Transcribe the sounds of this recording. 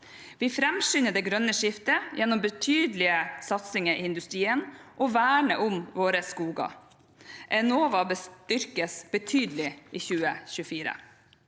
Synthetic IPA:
ʋiːfɾɛmʃʏːnəd̪eːɡɾœnəʂɪft̪əjɛnːɔmbət̪ʰyːd̪lɪəsɑt̪sɪŋəʔiɪnd̪ʉst̪ɾiːənʔoːʋæːɳə̰ʔʊmʋoːɾəskuːɡɑ̰ | ʔɛnoːʋɑbəst̪ʏɾkəsb̥ət̪ʰyːd̪lɪʔiːçʉːəçʉəfiːɾə̰

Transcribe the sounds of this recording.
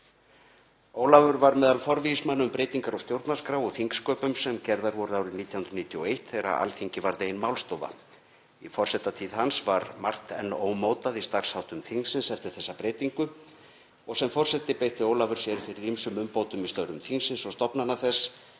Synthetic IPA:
oːwlavʏɾvaɾmɛːðalfɔɾvismanːʏmpɾejt̪iŋkaɾɔst̪jowɾt̪nḁskɾawɔɣθiŋkskœːpʏmsɛmcɛɾðaɾvɔɾʏðaːwɾɪniːt̪jahnɾʏniːt̪ʰjɔejht̪θejɾa̰a̰lθiɲcɪvaɾðejɪnmaːwlst̪oːva̰ | ifɔr̥sɛht̪ːat̪ʰiːðɦansvaɾmar̥t̪ɛ̰nːoːwmowt̪aðist̪ar̥shawt̪ʏmθiŋsɪnsɛft̪ɪɾ̥θɛsːapɾejt̪iŋkʏ | ɔɣsɛmfɔr̥sɛt̪ːɪpejht̪ɪoːwlavʏɾ̥sjɛɾ̥fɪɾɪɾimsʏmʏmpoːwt̪ʏmist̪œɥɾʏmθiŋsɪnsɔɣst̪ɔpnanaθɛs

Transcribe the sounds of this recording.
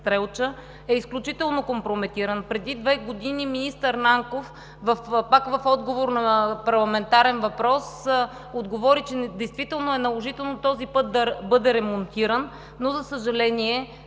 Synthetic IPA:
t̪ɾɛlˠt͡ʃə | ɛisklʲut͡ʃit̪ɛlˠnokompɾomɛt̪iɾənpɾɛd̪id̪vɛɡod̪iniminist̪əɾnaŋkof | vɐfpakvɐfɔd̪ɡovoɾnɐpɐɾlˠɐmɛnt̪aɾɛnvɐpɾɔs | od̪ɡovɔɾit͡ʃɛd̪ɛjst̪vit̪ɛlˠnoɛnɐlˠoʒit̪ɛlˠnot̪ɔzipɤt̪̚d̪ɐbɤd̪ɛɾɛmont̪iɾənː | ozɐsəʒɐlɛniɛ

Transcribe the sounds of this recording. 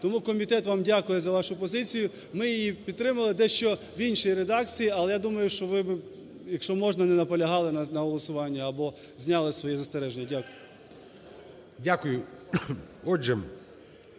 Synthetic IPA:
t̪ɔmukɔmʲit̪ɛt̪ʋɑmdʲakʊjɛzɐʋɑʃʊpɔzɪt͡sʲijʊ | mɪjijipʲid̪t̪ɾɪmɐlˠɪd̪ɛʃt͡ʃɔ | ʋinʲʃijiɾed̪ɑk̚t͡sʲijiɐlˠɛjad̪umɐjʊʃt͡ʃɔʋɪbɪ | jɐkʃt͡ʃɔmɔʒnɐnɛnɐpɔlʲɐɦɑlˠɪnɐnɐɦɔlˠɔsʊʋɑnʲːɐɐbɔ | zʲnʲɑlˠɪsʋɔjɛzɐst̪ɛɾɛʒenʲːɐdʲakʊjʊ | dʲakʊjʊ | ɔd͡ʒɛ

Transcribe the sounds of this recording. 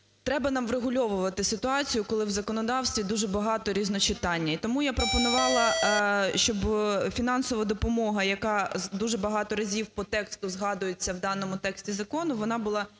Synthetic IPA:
t̪ɾɛbɐnɑmʋreɦʊlʲɔʋʊʋɐt̪ɪsɪt̪ʊɑt͡sʲijʊkɔlˠɪwzɐkɔnɔd̪ɑwsʲt̪ʋʲid̪uʒɛbɐɦɑt̪ɔɾʲiznɔt͡ʃɪt̪ɑnʲːɐit̪ɔmujapɾɔpɔnʊʋɑlˠɐʃt͡ʃɔbfʲinɑnsɔʋɐd̪ɔpɔmɔɦɐjɐkɑd̪uʒɛbɐɦɑt̪ɔɾɐzʲiwpɔt̪ɛkst̪ʊzɦɑd̪ʊjet͡sʲːɐwd̪ɑnɔmʊt̪ɛksʲtʲizɐkɔnʊʋɔnɑbʊlˠɑ

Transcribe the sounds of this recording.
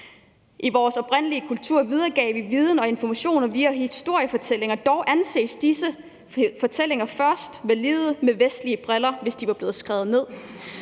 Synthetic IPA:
ʔiʋɒːsɒ̽b̥ʁɛn̰əliəkʰult͡sʰuɐ̰ʋið̞ˠɐɡ̥ɛ̰ːʋiʋiːð̞ˠn̩ɒ̽e̝nfɒmæɕo̝̰ːnɐʋiæhisd̥o̝ɐ̰jəfɒ̽t͡sʰel̰e̝ŋɐd̥ɒʊʔænse̝̰ːsd̥isə | fɒ̽t͡sʰel̰e̝ŋɐfɶɐsd̥ʋæliːð̩ˠəmeʋesd̥liəb̥ʁelɐʋe̝sd̥iʋɑ̈b̥le̝ːð̞̩ˠsɡ̥ʁɛːð̞̩ˠne̝ð̞̰ˠ

